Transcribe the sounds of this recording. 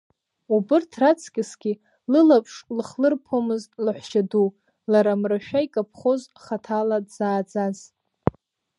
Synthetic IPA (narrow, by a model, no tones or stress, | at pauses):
ubɨrtʰrat͡sʰkʲʼɪsɡʲi | lɨlapʰʂlɨχlɨrpʰomɨztʼlaħʷʃadu | laɾamraʃᶣaikʼapʰχozχatʰaladzaːd͡zaz̥